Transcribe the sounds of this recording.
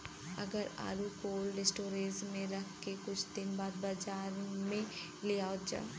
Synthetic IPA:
ɐɡəɾa̰ːɾukoːlːɪsʈoːɾeːzmẽɾɐkʰkekʊt͡ʃʰd̪ɪnbaːd̪̚bad͡ʒaːɾmẽ | leaːod͡ʒa̰ː

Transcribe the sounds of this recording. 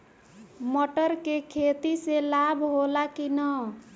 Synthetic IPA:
moʈəɾkekʰet̪iselabʱɦolakinə

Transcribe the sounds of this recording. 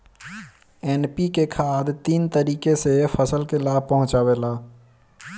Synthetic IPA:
ɛːnpikekʰaːd̪t̪iːnt̪əɾiːkesefʰəsəlkelaːb̚ʱpəɦʊ̃t͡ʃaːwelaː

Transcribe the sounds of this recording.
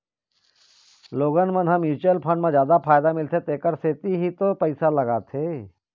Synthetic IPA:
loːɡənmənɦɐmjuːt͡ʃəlpʰə̃ɳmẽd͡ʒjaːd̪apʰaːjd̪amɪlt̪ʰet̪eːkəɾseːt̪iɦit̪opəɪsalɐɡaːt̪ʰeː

